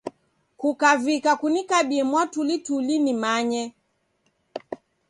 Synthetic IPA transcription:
kukavikakunikaɓiɛmwatulitulinimaɲɛ

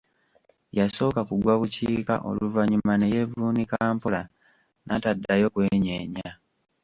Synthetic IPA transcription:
jaso̞ːkakuɡwaβuciːka̰ʔo̞̰luvaɲumane̞je̞vuːnikaːmpola | nʔatadːajo̞kwe̞ːɲeːɲa

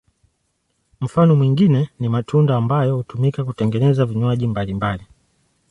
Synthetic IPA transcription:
m̩fanɔmwiŋɡinɛnimatʰundaːmbajɔhutumikakutɛŋɡɛnɛzaviɲwaʄimbalimbali

